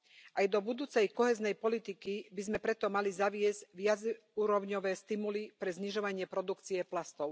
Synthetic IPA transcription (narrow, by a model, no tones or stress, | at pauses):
ʔajd̪ɔbud̪uːt͡sɛjkɔɦɛːznɛjpɔlit̪ikibizmɛpɾɛt̪ɔmalizaʋɪɛzʋɪad͡z | uːɾɔʊɲɔʋɛːst̪imulipɾɛzɲiʒɔʋaɲɪɛpɾɔd̪ukt͡siɛplast̪ɔʊ